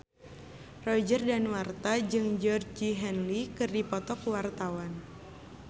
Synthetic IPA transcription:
rɔd͡ʒərdanwart̪ad͡ʒɨŋd͡ʒɔrd͡ʒiɦɛnlikɨrdipɔt̪ɔkuwart̪awan

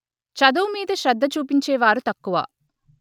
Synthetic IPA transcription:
t͡ʃɐd̪uːmiːd̪ɐʃɾɐd̪ːɐt͡ʃuːpiɲt͡ʃeːʋaːɾut̪ɐkːuʋɐ̰

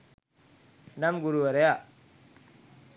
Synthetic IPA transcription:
namɡuɾuwaɾeja

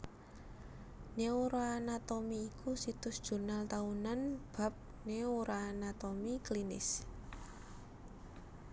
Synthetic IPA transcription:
neoɾaanat̪omiːkʰusit̪ʊsd̥ʒ̥ṳrnalt̪aunanb̥a̤p̚ | neoɾaanat̪omiklinɪ̰s

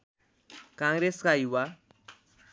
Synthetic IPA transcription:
kãŋɡɾeskajiwa

